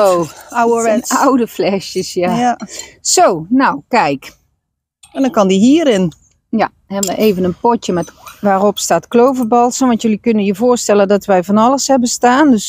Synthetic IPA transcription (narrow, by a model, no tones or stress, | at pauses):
oawəʋɛnawdəflɛʃjəsjaasoːnawkɛjk | ɛndɔnkɔndiɦiəɾɪn | ja | hɛbənʋəʔeːvənənpɔtjəmɛtʋaːropstaːtklowvərbɔlˠsənʋɔntjølikønəjəvoːəstɛlˠədɔtʋɛjvɔnɔlˠəshɛbəstaːndøs